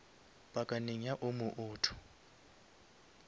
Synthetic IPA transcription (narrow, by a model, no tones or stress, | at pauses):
bʼakʼaniɲaʔumuʔuːtʰu̥